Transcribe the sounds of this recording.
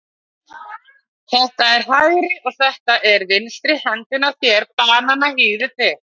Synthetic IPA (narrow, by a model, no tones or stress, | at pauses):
θɛht̪aɛɾ̥hajɾɪʔɔɣθɛht̪aʔɛɾvɪnst̪ɾɪhɛnt̪ɪnaθjɛɾpaːnanahiːðɪt̪ɛ